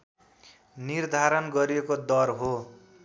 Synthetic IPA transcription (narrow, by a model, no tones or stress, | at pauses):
nird̪ʱaɾʌnɡʌɾiekod̪ʌrɦo